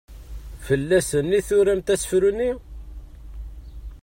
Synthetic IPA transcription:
fəlːæsənːiθʊɾæmt̪æsə̥fɾuni

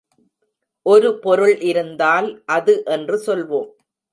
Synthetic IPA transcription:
ʔɔɾɯpɔɾɯɭɪɾɯnd̪aːlʔɐðɯʔɛndrɯsɔlʋoːm

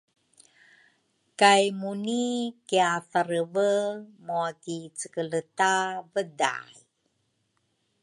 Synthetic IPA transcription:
kajmunikiafaɾəvəmoakit͡səkələtavəda̰j

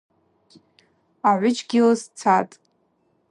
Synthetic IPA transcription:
aʕʷʊd͡ʒɡʲɪlast͡sʰatʼ

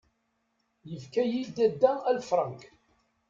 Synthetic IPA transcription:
jəfkæjild̪æd̪ːæælfɾˤɑŋk

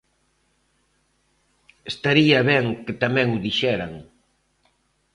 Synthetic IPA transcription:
est̪aɾiɐβɛŋkɪt̪amɛ̃ŋʊðiʃɛɾaŋ

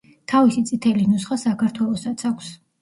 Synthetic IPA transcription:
t̪ʰavisit̪sʼit̪ʰɛlinusχasakʰaɾt̪ʰwɛlˠɔsat̪sʰakʷʰs

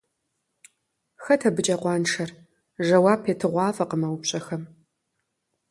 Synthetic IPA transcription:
xɐtʰɐbɨt͡ʃʼɐqʷɑːnʂʰɐr | ʒɐwɑːpʰeːtʰɨʁʷɑːvɐqəmɐwʊpɕʼɐxɐm

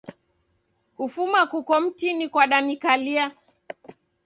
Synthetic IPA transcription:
kufumakukɔm̩tinikwaɗanikalia

